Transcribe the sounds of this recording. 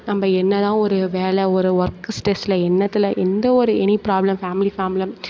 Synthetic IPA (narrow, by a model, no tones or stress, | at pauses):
nɐmːɐɛnːɐt̪ãːɔɾɯʋeːlɛɔɾɯʋɐɾkɯsʈeːslɐɛnːɐt̪ːɪlɐʔɛnd̪ɐɔɾɯɛnipɾaːblɐmfaːmɪlifaːmlɐm